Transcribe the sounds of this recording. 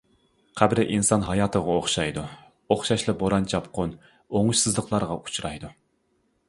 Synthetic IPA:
qʰæbɾɪʔinsɑnɦɑjɑːt̪ʰəʁɑoχʃɑjd̪u | oχʃɑʃlˠɨboɾɑnt͡ʃʰɑpqʰʊn | oŋuʃsɨzlˠəqʰlˠɑɾʁɑʔu̥t͡ʃʰɾɑjd̪u

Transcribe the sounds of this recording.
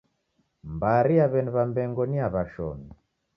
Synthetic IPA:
mbaɾiaβɛniβambɛŋɡɔniaβaʃɔ̰mi

